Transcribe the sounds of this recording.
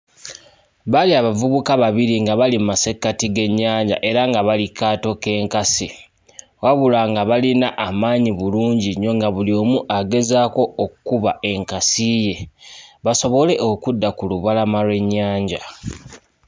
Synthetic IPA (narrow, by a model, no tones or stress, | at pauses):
βaliaβavuβukaβaβiɾiŋɡaβalimmase̞kːatiɡe̞ɲːaːɲɟa̰ʔe̞ɾaŋɡaβalikːaːto̞ke̞ːŋkasi | waβulaŋɡaβalinaʔamaːɲiβuluːɲɟiɲo̞ŋɡaβulio̞ːmuʔaɡe̞zaːko̞okkːuβae̞ŋkasije̞βaso̞βo̞le̞ʔokudːakuluβalamalwe̞ɲːaːɲɟa